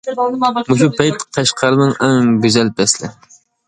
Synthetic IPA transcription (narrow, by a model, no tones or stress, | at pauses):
muʃ̬upʰɛjt̪qʰɑʃqʰɑɾɨnɨŋɛŋɡʲyzɛlbɛslɪ̰